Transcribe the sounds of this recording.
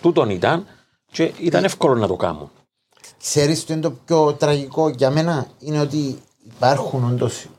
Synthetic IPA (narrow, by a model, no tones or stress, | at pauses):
t̪ut̪onit̪ɐn | t͡ʃeit̪ɐnefkolonːɐt̪okɐ̰mṵn | kse̞ɾist̪oint̪o̞p̚co̞t̪ɾɐʝiko̞ʝɐme̞nɐineot̪̬iː | pɐɾxuno̞nd̪os